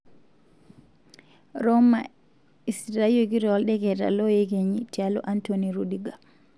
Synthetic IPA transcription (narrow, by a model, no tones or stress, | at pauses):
ɾɔma | isɾaijoɡiɾɔalɗɛɡɛda̰lɔjɛɡeɲitialɔ̰ʔantoniɾudiɡa